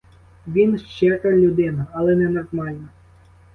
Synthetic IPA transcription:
ʋʲinʃt͡ʃːɛkɐlʲud̪ɪnɐɐlˠɛnɛnɔrmɑlʲnɐ

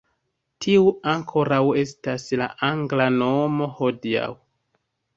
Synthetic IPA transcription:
tʰiuaŋkʰo̞ɾawe̞stasla̰ʔaŋɡlano̞mo̞ho̞dia̰w

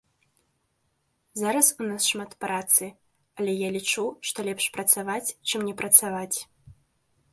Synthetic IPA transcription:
zaɾɐsunasʂmat̪pɾat̪sɨ | ɐlʲɛjalʲit͡ʂuʂt̪ɔlʲɛpʂpɾɐt̪savat͡sʲt͡ʂɨmnʲɛpɾɐt̪savat͡sʲ

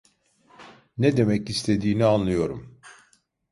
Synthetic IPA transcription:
ned̪e̞mɛcist̪ʰe̞d̪iːnianlˠɯjo̞ɾum

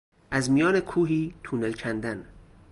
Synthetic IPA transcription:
ʔæzmijɒːnekʰuːɦiːt̪ʰuːnelcʰænd̪æn

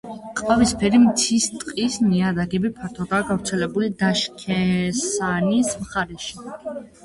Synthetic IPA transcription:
qʼvavispʰɛɾimt̪sʰist̪ʼqʼisniad̪aɡɛbipʰaɾt̪ʰɔd̪aːɡavɾt̪sʰɛlɛbulid̪aʃkʰɛsanismχaɾɛʃi

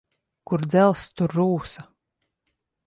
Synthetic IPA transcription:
kuɾd̪zɛlˠst̪uɾːuːsa

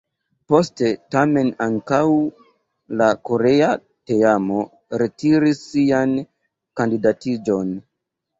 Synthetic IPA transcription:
po̞ste̞tame̞naŋkaw | lako̞ɾe̞a | teamo̞ | ɾe̞tiɾisːian | kandidatid͡ʒo̞n

